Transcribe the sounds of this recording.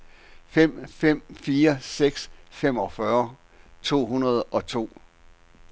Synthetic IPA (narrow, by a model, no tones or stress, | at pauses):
fem̰fem̰fiːɐseɡ̥sfem̰ɒ̽fɶɐ | t͡sʰo̝̰ːɦunɐð̞̩ˠɒ̽t͡sʰo̝̰ː